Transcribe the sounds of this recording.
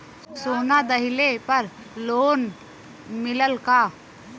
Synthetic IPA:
soːnad̪əɦɪlepɐɾ | loːn | mɪləlkaː

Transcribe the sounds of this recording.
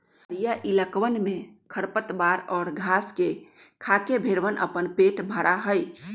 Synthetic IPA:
ɾijaʔiləkʋənmekʰəɾpət̪baɾɔːɾɡʱaske | kʰakebʱeɾʋənʔə̰pənpeʈbʱəɾaɦəj

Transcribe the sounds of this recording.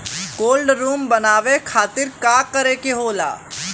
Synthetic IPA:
koːlɖɾuːmbɐnaːʋekʰaːt̪ɪɾkaːkɐɾekeɦoːla̰ː

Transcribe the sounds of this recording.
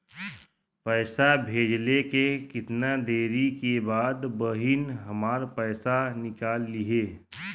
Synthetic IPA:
pɛːsabʱeːd͡ʒlekekɪt̪nad̪eːɾikebaːd̪bəɦɪnɦɐmaːɾpɛːsanɪkaːlːiɦeː

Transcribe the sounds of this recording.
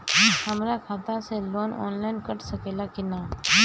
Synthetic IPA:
hɐmɾakʰaːt̪ãseloːnɔ̰ːnlaːɪnkɐʈsɐkeːlakɪnaː

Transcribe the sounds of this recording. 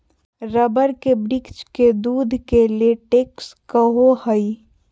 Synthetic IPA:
ɾəbəɾkebɾɪkt͡ʃked̪uːd̪ʱkeleʈeːkskəɦohəi

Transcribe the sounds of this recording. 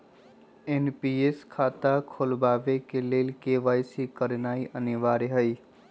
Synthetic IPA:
enpieskʰaːt̪akʰolbaːʋekeleːlkeːʋaːjsikəɾnaːiʔənɪʋaːɾeɦəi

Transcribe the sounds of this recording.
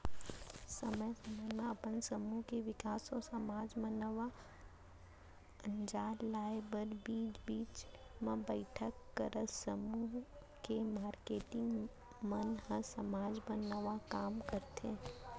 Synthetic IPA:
səməjsəməjmẽɐpənsəmuːɦkeʋɪkaːsɔsəmaːd͡ʒmənəʋa | ə̃nd͡ʒaːllaːebəɾbiːd͡ʒbiːt͡ʃ | mẽbəɪʈʰəkːəɾəsəmuɦ | kemaːɾkeːʈɪ̃ŋɡ | mənɦə̃səmaːd͡ʒbənəʋakaːmkəɾt̪e

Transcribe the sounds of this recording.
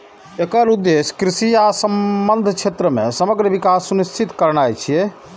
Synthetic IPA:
ekəɾud̪ːeskɾisijasəmbənd̪ʱt͡ʃʰet̪ɾəmḛ̃səməɡɾəʋikasːunist͡ʃʰit̪kəɾnajt͡ʃʰijɛ

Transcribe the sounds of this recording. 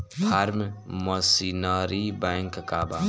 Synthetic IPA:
d̪ʱaɾmməsiːnaːɾibɛ̃ːŋkkaːbaː

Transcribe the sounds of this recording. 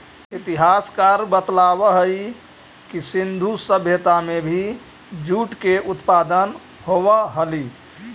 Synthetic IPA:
it̪iɦaskaɾbət̪laβəɦəj | kisind̪ʱusəbʱjət̪amebʱi | d͡ʒuʈkeʔut̪pad̪ən | hobəɦəli

